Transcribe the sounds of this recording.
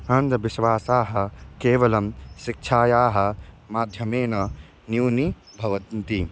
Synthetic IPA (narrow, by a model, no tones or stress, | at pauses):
ɐnd̪ɐʋɪʃʋaːsaːɦɐ̆keːʋɐlɐmʃɪk̚t͡ʃʰaːjaːɦɐ̆ | maːd̪ʱjɐmeːnɐ | njuːni | bʱɐʋɐt̪nt̪i